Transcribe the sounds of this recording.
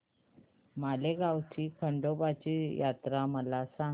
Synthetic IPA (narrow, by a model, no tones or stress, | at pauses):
maleɡawt͡ɕiːkʰəɳɖobat͡ɕiːjat̪ɾaməlasã